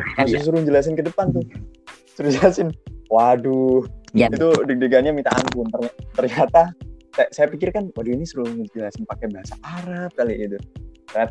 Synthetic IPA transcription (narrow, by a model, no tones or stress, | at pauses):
masus̬uɾuɲd͡ʒəlas̬ɪnkədəpant̪ʊ | suɾud͡ʒəlasɪnwadu | it̪udədeɡanɲamit̪aa̰npʊnt̪ərat̪ərɲat̪asaasajapikɪrkanwaduinisuɾuŋd͡ʒəlasɪnpakɛbaɦasaʔaɾap̚kaliʔɡit̪ut̪ərɲat̪a